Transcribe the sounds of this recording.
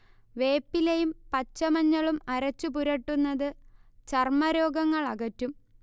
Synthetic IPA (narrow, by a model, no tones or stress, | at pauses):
ʋe̞ːpːilejumpɐt͡ɕːɐmɐɲːɐɭumɐɾɐt͡ɕːup̬uɾɐʈːunːɐðɨt͡ɕɐrmɐɾo̞ːɡɐŋːɐɭɐɣɐtːum